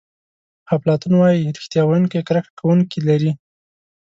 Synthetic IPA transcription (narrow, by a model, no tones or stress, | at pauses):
haplɑt̪unwɑjiɾɪxt̪jɑwajunkajkɾakḁkʰawuŋkilaɾi